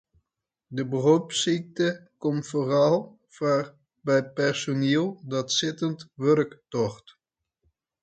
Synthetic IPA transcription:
dəbəropsik̚təkɔmfoːrɑlˠ | var | bɛjpɛɹsoneːlˠdɑtsɪtəntʋørktɔχt

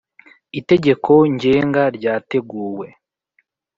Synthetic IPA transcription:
ite̞ɟe̞kʰo̞ɲɟe̞ːŋɡaɾɟaːte̞ɡuːwe̞

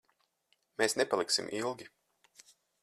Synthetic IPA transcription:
meːsnepalˠiksḭmʔilˠɡʲi

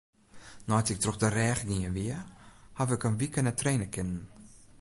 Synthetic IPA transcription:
nɔjtɪk̚troxdərɛːxɡiənʋiəhaʋɪkənʋikənətreːnəkɪnən

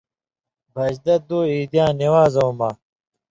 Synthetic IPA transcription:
bʱɐd͡ʑd̪ɐd̪oːiːd̪jãːniwaːzɐwmɐ

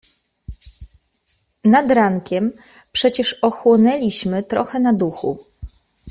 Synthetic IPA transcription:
nad̪ɾaŋkʲɛm | pʂɛt͡ɕɛʂɔxwɔnɛlʲiɕmɘt̪ɾɔ̰xɛnad̪uxṵ

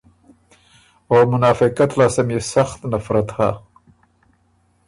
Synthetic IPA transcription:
oːmʊnɑːfɪqat̪laːsɪmjesaxt̪nafɾat̪ha

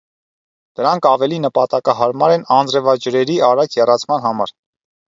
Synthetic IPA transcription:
d̪̥əɾɑŋkʰɑvɛlinəpɑt̪ɑkɑɦɑɾmɑɾɛnɑnd͡zɾɛvɑd͡ʒəɾɛɾiɑɾɑkʰjɛrɑt͡sʰmɑnɦɑmɑɾ

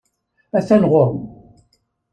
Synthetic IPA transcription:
æθænʁoɾˤ

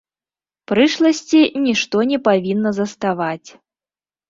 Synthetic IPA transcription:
pɾɨʂlˠɐsʲt͡sʲinʲiʂt̪ɔnʲɛpavʲinːɐzɐst̪avat͡sʲ

